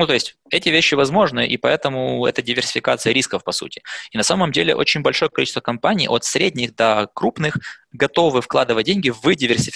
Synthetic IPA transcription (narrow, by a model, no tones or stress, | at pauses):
nut̪o̞ɪsʲtʲɛtʲɪvʲeɕːɪvɐzmo̞ʐnɨʔḭpɐɛt̪əmʊɛ̰t̪ədʲɪvʲɪrsʲɪ̥fʲɪkat̪sɨjəɾʲiskəfpɐsṵtʲɪ̥inɐsaməmdʲelʲɪ̰ʔo̞̰t͡ɕɪnʲbɐlʲʂo̞jəkɐlḭt͡ɕɪst̪və̥kɐmpanʲijʔo̞t̪sɾʲedʲnʲɪxd̪ɐkɾupnɨxɡɐt̪o̞vɨfklˠad̪ɨvət̚ʲdʲenʲɡʲɪvɨdʲɪvʲɪrsʲɪf